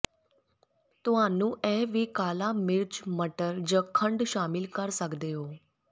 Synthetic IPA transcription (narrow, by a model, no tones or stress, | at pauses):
t̪ʊɦaːnũːʔɛːʋiːkaːlaːmɪɾd͡ʒməʈəɾd͡ʒãːkʰəɳɖʃaːmɪlkəɾsəkd̪eːɦoː